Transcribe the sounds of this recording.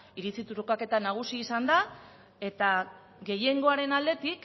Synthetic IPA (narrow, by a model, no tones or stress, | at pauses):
iɾit͡sit̪uɾukake̞t̪anaɣ̞usiːsand̪a | e̞t̪a | ɡe̞je̞ŋɡo̞aɾe̞nald̪e̞t̪ik